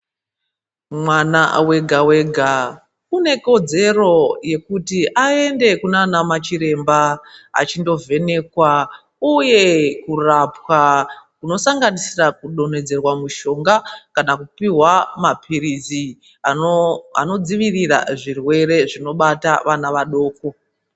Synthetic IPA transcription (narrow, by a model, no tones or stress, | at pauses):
mwana̰we̞ɡʱawe̞ɡʱa | une̞ko̞d͡ze̞ro̞je̞kutiʔae̞nde̞kunanamat͡ʃiɾe̞mbaa̰t͡ʃindo̞ve̞ne̞kwa | uje̞kurapwakuno̞saŋɡanisirakuɗo̞ne̞d͡ze̞rwamuʃo̞ŋɡakanakupiɦwamapʰiɾizi | aa̰no̞d͡ziʋirira̰ʐirwe̞ɾe̞ʐino̞ɓataʋanaʋaɗo̞ːko̞